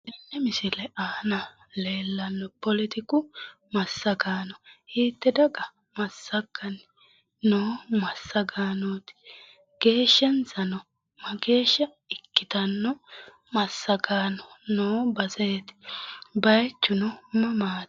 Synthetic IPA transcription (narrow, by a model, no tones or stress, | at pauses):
ɛnːɛmɪsɪlɛʔaːnɐ | le̞ːlːɐnːɔpɔlɪt̪ɪkʊ | mɐsːɐɡaːnɔhiːt̪ːɛd̪ɐɡɐ | mɐsːɐɡɐn | noːmɐsːɐɡaːnot̪ɪ̥ | ɡ̥e̞ːʃːɐnsɐnɔ | mɐɡe̞ːʃːɐ | ɪkːɪt̪ɐnːɔ | mɐsːɐɡaːnɔnoːbɐzɛjt̪ɪ̥bɐjt͡ʃːʊnɔmɐmaːt̪